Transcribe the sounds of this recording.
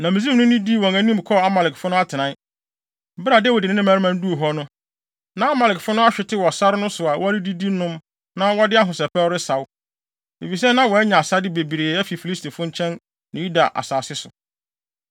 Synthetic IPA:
nã˨mɪ̃˨zi˦m˦nʊ̃˦nɪ̃˦di˦˨wɔ̃˨ŋæ̃˦nĩ˦m˨kʰɔ˦a˦ma˨lɪ˨kfʊ˦nʊ̃˦a˦tʰɪ˨nã˨˦˨ | bɪ˦ɾa˨dɛ˦wɔ˨dɪ˨nɪ̃˦nɪ̃˦mæ̃˨˦ɾɪ˦mã˦n˦du˦o˨ɦɔ˦nʊ̃˦ | nã˨a˦ma˨lɪ˨kfʊ˦nʊ̃˦a˦ɕᶣɪ˨tʰɪ˦wɔ˨sa˦ɾnʊ̃˦sʊ˨a˨wʔɔ˦ɾɪ˦di˦di˦nʊ̃˦m | nã˦wɔ˦dɪ˦a˦ɦʊ̃˨sɛ˨pʰɛ˦ɾɪ˦sa˨w | ḛ˨fi˨s̬ɛ˦nã˦wɔ˨ɛ˦ɲã˨a˨sa˦dɪ˦be˨bi˨ɾe˨˦ɛ˦fi˨fi˨li˦stʰe˨fʊ̃˦ɲ̩˦t͡ɕʰɛ̃˦n | nã˨ju˦da˨ʔa̰˨saː˨sɪ˦sʊ˨

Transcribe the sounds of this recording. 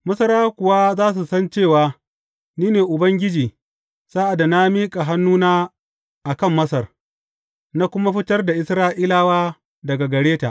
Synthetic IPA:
mɐ˦sɐ˦ɾaː˦kʷʊ˨wa˦zaː˦s̬u˨sɐ˦nt͡ʃeː˦˨waː˦ | niː˦neː˨ʔʊ˨bɐ˦ŋɡʲɪ˦d͡ʒiː˨ | saː˦ʔa˨da˨na˦miː˦kʼa˨ɦa˦nːuː˦naː˦ | ʔa˨kɐ˦˨mːɐ˦sɐ˨r | na˦kʷʊ˦ma˦ɸɪ˦tɐ˦rda˨ʔɪ˦sɾaː˦ʔiː˦laː˦waː˦ | dɐ˨ɡa˨ɡɐ˨ɾeː˦ta̰˨ʔ

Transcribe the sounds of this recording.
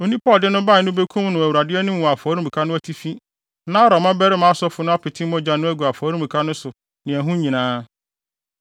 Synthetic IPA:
o˨nĩ˦pʰɔ˦˨ldɪ˦nʊ̃˦ba˦˨nʊ̃˦be˦kʰũ˦mnʊ̃˨æ˨wu˨ɾa˨dɪ˦ɛ˦nɪ̃˦m˨ɔ̃˨a˨faː˨˦ɾũ˦mũ˨kʰa˦nʊ̃˦æ˦tʰi˦fi˦ | nã˦ɔ˦ɾɔ˨mã˦bæ˦ɾɪ˦mã˦sɔ˦fʊ˦nʊ̃˦a˦pʰɪ˨tʰɪ̃˦mɔ̃˦d͡ʑa˨nʊ̃˦æ˦ɡu˨a˨faː˨˦ɾũ˦mu˨kʰa˦nʊ̃˦sʊ˨ | nɪ̃˨æ˨ɦũ˦ɲĩ˨nãː˦

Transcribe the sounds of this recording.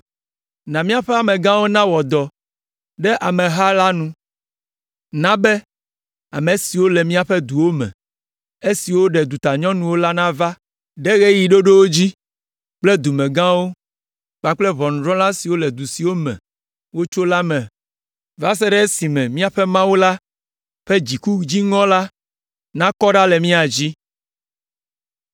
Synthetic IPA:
nã˨mĩ˦a˨ɸɛ˦a˨mɛ̃˨ɡã˦wo˦nã˦wɔ˨d̪ɔ˨ | ɖɛ˦ʔa˨mɛ̃˨ɦa˦la˦nũ˦ | nã˦bɛ˦ | a˨me˨si˨wo˦lɛ˨mĩ˦a˨ɸɛ˦d̪u˨wo˦mɛ̰̃˨ | e˦si˨wo˦ɖɛ˨d̪u˨t̪a˨ɲɔ̃˦nũ˨wo˦la˦nã˦va˦ | ɖɛ˦ɣe˦ji˨ɖo˦ɖe˦wo˦d͡ʑi˦ | k͡plɛ˦d̪u˨mɛ̃˨ɡã˦wo˦ | k͡pa˨k͡plɛ˦βɔ˨nũ˨ɖɾɔ̃˦lã˦si˨wo˦lɛ˨d̪u˨si˨wo˦mɛ̰̃˨ | wo˦t͡ʃo˦la˦mɛ̃˨ | va˦s̬ɛ˦ɖɛ˦e˦si˨mɛ̃˨mĩ˦a˨ɸɛ˦mã˦wu˦la˦ | ɸɛ˦d͡ʑi˨ku˦d͡ʑi˦ŋɔ̃˦la˦ | nã˦kɔ˦ɖa˦lɛ˨mĩ˦a˨d͡ʑi˦

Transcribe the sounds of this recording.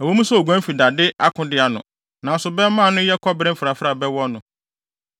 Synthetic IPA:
æ˨wo˦mũ˦sɛ˦˨ɔ˨ɡʷæ̃˦m̩˦fi˨da˨dɪ˦ʔa˦kʰʊ̃˨dɪ˦a˨nʊ̰̃˨ | nã˨sʊ˨bɛ˦mã˦˨nʊ̃˦jɛ˦kʰɔ˦bɾɪ̃˦m̩fɾa˨fɾa˨bɛ˦wɔ˦nʊ̃˨

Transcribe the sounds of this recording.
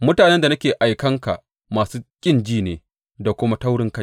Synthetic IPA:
mʊ˦taː˨nɛ˦nda˨nɐ˦kʲeː˨ʔa˨jkɐ˦ŋka̰˨ | maː˨suː˦kʲʼɪ˦nd͡ʒiː˦neː˨ | da˨kʷʊ˦ma˦ta˦wɽɪ˦ŋkɐ˦˨

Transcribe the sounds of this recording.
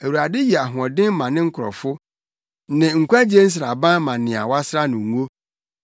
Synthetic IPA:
æ˨wu˨ɾa˨dɪ˦ji˨a˨ɦʊ̃˨ɔ̃˨dɪ̃˦m˦mã˨nɪ̃˦ŋ̩˦kʰʊ˨ɾɔ̰˨fʊ˦ | nɪ̃˨ŋ̩˨kʰʷa˦d͡ʑe˦n̩˦s̬ɪ˨ɾa˨bã˦mã˨nɪ̃˨a̰˨wa˦sɾa˦nʊ̃˨ŋ˨u˦o˦

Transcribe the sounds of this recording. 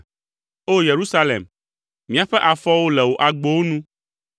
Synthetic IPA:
o˦je˨ɾu˦sa˦lḛ˨m | mĩ˦a˨ɸɛ˦ʔa˨fɔ˦wo˦lɛ˨wo˨ʔa˨ɡ͡bo˦wo˦nũ˦

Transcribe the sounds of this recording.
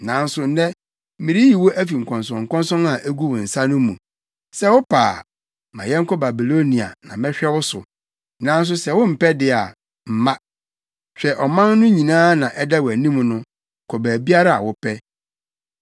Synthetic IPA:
nã˨˦n̩˦sʊ˨n̩˦dɛ˦ | mĩ˨ɾi˦ji˨wo˦ʔæ˦fi˨ŋ̩˨kʰɔ̃˨ns̬ɔ̃˨ŋ˨kɔ̃˦nsɔ̃˦na˨ʔæ˦ɡu˦wʊ˨n̩˨sa˦nʊ̃˦mũ˨ | sɛ˦wʊ˦pʰa̰ː˨ | mã̰˨jɛ˦ŋ̩˦kʰɔ˦ba˨bi˨lo˦nĩ˨a̰˨nã̰˨mɛ̃˦ɕᶣɛ˦wʊ˦sʊ̰˨ | nã˨˦n̩˦s̬ʊ˦sɛ˨wʊ̃˦m̩˨pɛ˦dɪ˦a˨ | m̩˨mã˦ | ɕᶣɛ˨ʔɔ˨mã˦nːʊ̃˦ɲĩ˨nãː˦nã˨ʔɛ˦da˦wæ˨nĩ˦m˨nʊ̃˦˨ | kʰɔ˨bæ˨bi˦a˦ɾa˦˨a̰˨wʊ˦pʰɛ˦

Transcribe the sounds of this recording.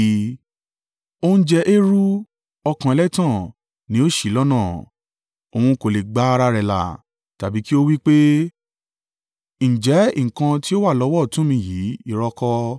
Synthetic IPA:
o˦ñ̩˦d͡ʒɛ˧ʔe˦ɾu˦ | ɔ˧kã˨ɛ˧lɛ˦tã˦˨ | nĩ˨˦o˦ʃi˦˨lɔ˦nã˦˨ | o˨hũ˧ko˨le˨ɡ͡ba˨˦a˧ɾa˧ɾɛ˨la̰˨ | ta˨bi˨˦ki˦o˦wi˦k͡pe˦ | ñ̩˨d͡ʒɛ˨˦i˦˨ŋ̩˨kã˧ti˦o˦wa˦˨lɔ˨˦wɔ˦˨tũ˨˦mĩ˧ji˨˦i˧˨ɾɔ˧kɔ˧

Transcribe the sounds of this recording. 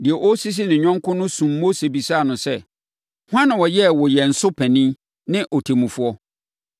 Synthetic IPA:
dɪ˨ɛ˨ʔɔ˦si˦s̬i˦nɪ̃˨ɲᶣɔ̃˦ŋkʰʊ̃˦nʊ̃˦sũ˨mːo˦se˨bi˨sa˦˨nʊ̃˨sɛ˦˨ | hʊ˦ã˦nã˨wɔ˨jɛ˦˨wɔ˨jɛ˨n̩˨sʊ˦pʰɛ̃˨nĩ˦ | nɪ̃˦ʔɔ˨tʰe˨mũ˨fu˦ɔ˦

